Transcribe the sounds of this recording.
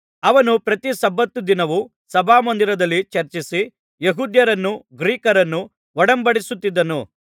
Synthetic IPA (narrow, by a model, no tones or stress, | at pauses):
ɐʋɐnupɾɐt̪isɐbːɐt̪ːud̪inɐʋu | sɐbʱaːmɐnd̪iɾɐd̪ɐlːit͡ʃɐɾt͡ʃisi | jeɦuːd̪jɐɾɐnːuɡɾiːkɐɾɐnːu | ɔɽɐmbɐɽisut̪ːid̪ːɐnu